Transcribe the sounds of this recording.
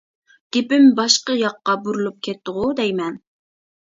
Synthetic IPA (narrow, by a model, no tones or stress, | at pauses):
ɡ̥ʲepɪmbɑʃqəjɑqːɑbuɾulˠup̚kʲʰɛt̪ːʊʁʊd̪ɛjmɛn